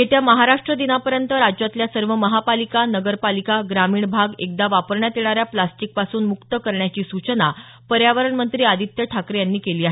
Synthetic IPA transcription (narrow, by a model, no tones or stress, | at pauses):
et̪jaməɦaɾaʂʈɾəd̪inapəɾjənt̪əɾad͡ʑjat̪ljasəɾʋəməɦapalikanəɡəɾpalikaɡɾamiːɳbʱaɡek̚d̪aʋapəɾɳjat̪eɭ̃aɾjaplasʈik̚pasuːnmukt̪əkəɾɳjat͡ɕiːsut͡ɕəna | pəɾjaʋəɾəɳmənt̪ɾiːad̪ʱit̪jəʈʰakɾejanːiːkeliːaɦe